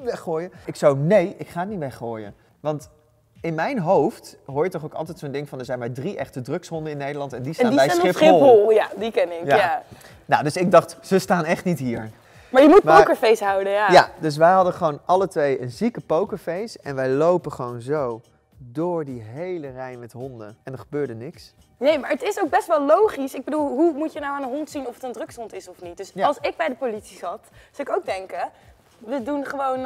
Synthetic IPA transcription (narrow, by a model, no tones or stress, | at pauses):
ʋɛχoːjəɪksawnejʔɪkχaːniʋɛχoːjə̰ | ʋɑnt | ɪnmɛjnɦowftɦoːɹjətɔχokɑ̰lˠtɛjtsondɪŋfɑndəɹzɛjnmaːɹdriʔɛχtədrøksɦɔndəɪnːejdəlɑntɛndisadɛjɪflˠoljadikɛnɪkjaa | nawdɵsɪɡ̚dɑχtsəstaːnɛχtnitɦiːɹ | maːɹjəmut̚mpaowkəɹfejsɦɑwdəjajadøs̬ʋɛjɦɑdəχəʋownʔɑlətʋejənzikəpowkəɹfejsɛnʋɛjlowpəχʋownzow | dʊːɹdiɦejlərɛjnmɛtɦɔndə̰nɛndəɹχəbøːɹdənɪks | nejmaːɹətɪsowɡ̚bɛstʋɛlˠlowχisɪɡ̚bədulˠɦumutjənawaːnənɦɔntsinɔfətəndrɵksɔntɪsɔfnit̚dɵsɑlˠsɪɡ̚bɛjdəpolitsizɑtsɑɪkowɡ̚dɛŋkə | ʋədunχəʋown